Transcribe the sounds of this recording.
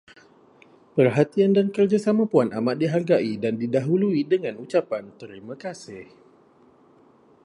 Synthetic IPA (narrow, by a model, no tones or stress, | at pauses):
pərɦat̪iandankərd͡ʒasamãpuanamat̪̚diɦarɡaʔidandidaɦuluidəŋãnut͡ʃapant̪əɾimakasɪh